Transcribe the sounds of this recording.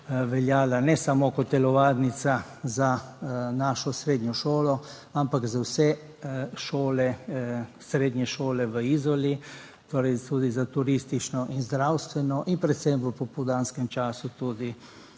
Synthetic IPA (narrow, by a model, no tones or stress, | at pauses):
ʋɛljaːlanɛsamokɔt̪ːɛlɔʋaːd̪nit̪sa | zanaːʃɔsɾeːd̪ɲjɔʃoːlɔ | ampakzawsɛ | ʃoːlɛ | sɾeːd̪ɲʲɛʃoːlɛʋəizɔli | t̪oːɾɛjt̪uːd̪izat̪uɾist̪it͡ʃnɔʔinzd̪ɾawst̪ʋɛnɔʔinpɾɛt̪sɛmʋəpɔpɔd̪aːnskɛmt͡ʃaːsut̪ud̪i